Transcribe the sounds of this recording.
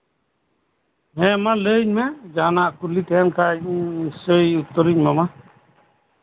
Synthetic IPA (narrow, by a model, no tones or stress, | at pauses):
ɦɛmaləɲmɛd͡ʒanaʔkulit̪ɛjankʰaisɔjut̪ːɔɾiɲmama